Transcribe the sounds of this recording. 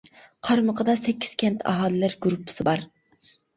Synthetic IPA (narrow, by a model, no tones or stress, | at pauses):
qʰɑɾməqʰəd̪ɑsɛkʲːi̥z̥kʲʰɛnt̪ʰɑ̰ɦɑːlˠɪlæɾɡuɾupʰːɨ̥sɪbɑɾ